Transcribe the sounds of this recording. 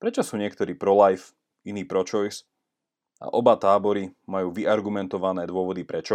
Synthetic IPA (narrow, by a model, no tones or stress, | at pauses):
pɾɛt͡ʃɔsuːɲɪɛkt̪ɔɾiːpɾɔlajf | iniːpɾɔt͡ʃɔjs | a̰ʔɔbat̪aːbɔɾimajuːʋiʔaɾɡumɛnt̪ɔʋanɛːd̪ʊɔʋɔd̪ipɾɛt͡ʃɔ